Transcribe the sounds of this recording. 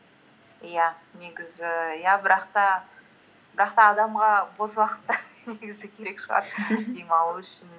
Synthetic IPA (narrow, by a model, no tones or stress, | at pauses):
jane̞ɡʲɪzɪjabɪɾɑqt̪ɑ | b̥ɪɾɑq̚t̪ɑːd̪ɑmʁɑbo̞zlˠɑqə̥t̪ːəneɡʲɪzɪkʲʰe̞ɾe̞kʃəʁɑ̰ɾd̪ejmɑlˠuʏʃɪn